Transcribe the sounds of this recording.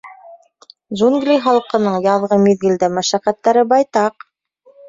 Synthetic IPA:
ʒuŋɡlʲijχɑlˠqɤ̆nɤɴjɑðʁɤmiðɡɘ̆ld̪æmæʃækæt̪ːæɾɘbɑjt̪ɑq

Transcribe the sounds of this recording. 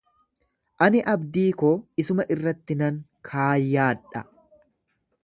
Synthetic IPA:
ʔɐnɪʔɐbd̪iːkoːɪsʊmɐʔɪrːɐt̪ːɪnɐŋkʰaːjːaːᶑɐ

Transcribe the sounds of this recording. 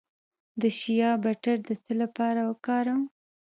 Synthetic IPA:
d̪əʃijɑbaʈaɾd̪əsəlapɑɾawəkɑɾaw

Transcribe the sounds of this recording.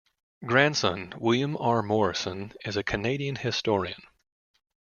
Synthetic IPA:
ɡ̥ɹæ̃nd̥sʌ̰̃nwɪlˠjə̃mɑɹmɔɹɨsɨ̃nɨzɨkʰɨneɪɾiɨ̃nhɪstɔɹiɨ̰̃n

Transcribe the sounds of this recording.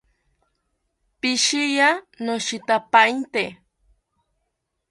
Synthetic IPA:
piʃija | noʃit̪apaint̪e

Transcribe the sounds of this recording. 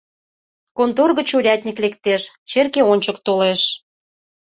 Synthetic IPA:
kont̪orɣə̆t͡ɕuɾʲɑt̪ʲnʲiklekt̪eʃt͡ɕerkeonʲt͡ɕəkt̪oleʃ

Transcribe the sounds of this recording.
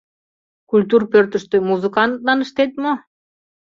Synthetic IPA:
kulʲt̪urpørt̪ə̆ʃt̪ømuzɨkɑnt̪lɑnəʃt̪et̪mo

